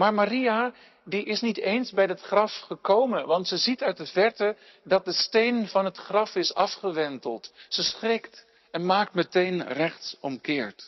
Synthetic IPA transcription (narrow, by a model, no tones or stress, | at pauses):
maːɹmaria | diʔɪsnitejnzbɛjdɑtχrɑfχəkowmənʋɑntsəzitœɥt̚dəvɛɹtə | dɑt̚dəstejnvɑnɦətχrɑfɪsɑfχəʋɛntəlˠtsəsχrɪkt | ɛnmaːk̚tmətejnrɛχtsɔmkɪːɹt